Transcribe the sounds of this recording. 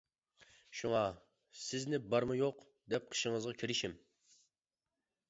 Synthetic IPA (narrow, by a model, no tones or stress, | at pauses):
ʃuŋɑ | sɪznɪbɑɾmɨjoq | d̪ɛp̚qʰə̥ʃɪŋəzʁɑkʲʰiɾɪʃim